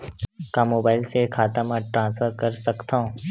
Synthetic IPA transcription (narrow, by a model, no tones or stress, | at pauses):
kamoːbaːɪlsekʰaːt̪əmaʈɾãːnsfʰəɾkɐɾsɐkt̪ãõ